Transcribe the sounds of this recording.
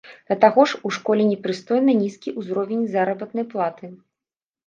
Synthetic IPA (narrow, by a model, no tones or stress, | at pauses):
d̪̥ɐt̪aɣɔʂuʂkɔlʲɛnʲɛpɾɨst̪ɔjnɐnʲiskʲiʔuzɾɔvʲɛnʲzaɾɐbɐt̪nɐjplˠat̪ɨ